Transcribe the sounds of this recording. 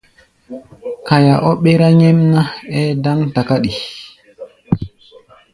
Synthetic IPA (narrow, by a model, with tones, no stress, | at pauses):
ka˨ja˨ʔɔ˦ɓɛ˦ɾa˦ɲɛ˦mna˦ɛ˦da˦ŋta˨ka˦ɗi˨